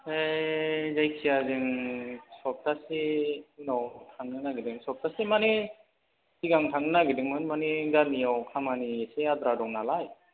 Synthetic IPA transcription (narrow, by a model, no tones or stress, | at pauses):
e | zajkʰijazɯŋsɔp̚tasiɯnɔwtʰaŋnɯnaɡidɯŋsɔp̚tasimani | siɡaŋtʰaŋɯnaɡidɯŋmɯnmaniɡanijawkʰamaniesead̪ɾadɔŋnalaj